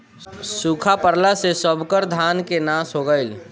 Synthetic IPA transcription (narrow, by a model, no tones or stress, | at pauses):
suːkʰapəɾlasesəbʱkəɾd̪ʱaːnkenasɦoɡəɪl